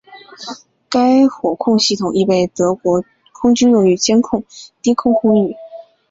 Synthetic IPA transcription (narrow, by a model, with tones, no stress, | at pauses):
ka˥ɪxwɔ˨˩kʰʊ˥˧ŋɕi˥˩t̪ʰʊ˨˩ŋʔi˥˩pe˥˩ɪt̪ɤ˧˥kwɔ˧˥ | kʰʊ˥ŋt͡ɕy˥njʊ˨˩ŋy˧˥t͡ɕjɛ˥nkʰʊ˥˩ŋt̪i˥kʰʊ˥˧ŋkʰʊ˥ŋy˥˩